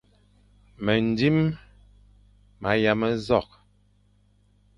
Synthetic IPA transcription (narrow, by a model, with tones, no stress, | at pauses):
mə˨n˨di˦m | ma˨˦ja˨mə˦zɔ˦˨k̚